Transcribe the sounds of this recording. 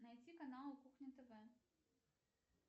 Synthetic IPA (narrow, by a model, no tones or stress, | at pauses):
nɐjt͡sʲikɐnalˠukuxnʲɪt̪ɛvɛ